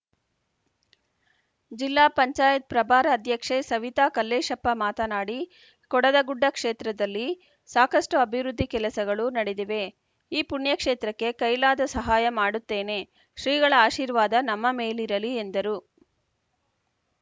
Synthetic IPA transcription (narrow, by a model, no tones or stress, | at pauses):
d͡ʒilːaːpɐɲt͡ʃaːjɐt̪̚pɾɐbʱaːɾɐːd̪ʱjɐkʂesɐʋit̪aːkɐlːeːʃɐpːɐmaːt̪ɐnaːɽi | kɔɽɐd̪ɐɡuɖːɐkʂeːt̪ɾɐd̪ɐlːi | saːkɐʂʈuɐbʱiʋɾud̪ʱːikɛlɐsɐɡɐɭunɐɽed̪iʋe̞ | iːpuɳjɐkʂeːt̪ɾɐkːe̞kɐjlaːd̪ɐsɐɦaːjɐmaːɽut̪ːe̞ːne̞ | ʃɾiːɡɐɭɐaːʃiːɾʋaːd̪ɐnɐmːɐmeːliɾɐliend̪ɐɾu